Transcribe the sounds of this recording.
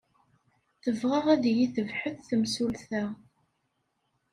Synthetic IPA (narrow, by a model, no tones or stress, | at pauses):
θəvʁəʁæðjiθəvħəθθəmsulθæ